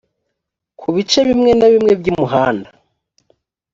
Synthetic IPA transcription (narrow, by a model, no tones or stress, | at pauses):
kʰuβit͡ʃe̞βimŋe̞naβimŋe̞bɟimuɦaːnda